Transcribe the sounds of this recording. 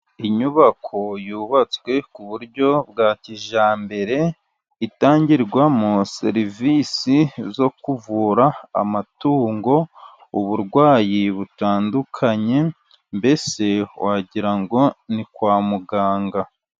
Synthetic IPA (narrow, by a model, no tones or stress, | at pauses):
iɲuβakʰo̞juːβat͡swe̞kuβuɾɟo̞bɡaːciʒaːmbe̞ɾe̞ | itaːɲɟiɾɡwamuse̞ɾivisizo̞kuvuːɾa̰ːmatuːŋɡo̞ | uβuɾɡwaːjiβutaːndukʰaɲe̞ | mbe̞se̞wʔaɟiɾaŋɡo̞nikwaːmuɡaːŋɡa